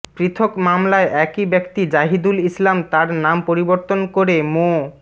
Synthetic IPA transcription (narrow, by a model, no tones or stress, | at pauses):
pɾit̪ʰokmamlaeʔɛkibɛkt̪id͡ʑaɦid̪ulislamt̪aɾnampoɾiboɾt̪onkoɾemo